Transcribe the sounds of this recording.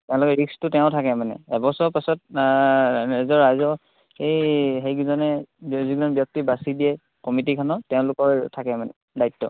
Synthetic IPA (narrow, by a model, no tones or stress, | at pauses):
tɛ̃ʊ̃lʊkɛɹikstʊtɛʊ̃tʰakɛmanɛ̰ɛbɔsɔpasɔt̚ | azɔɹːajzɔ | hejɦejɡuzɔnɛziɡɔnbjɔk̚tibasidiɛ | kɔmit̬ikʰanɔtɛʊ̃lʊkɔɹtʰakɛmanɛ̰ | dajtːɔ̰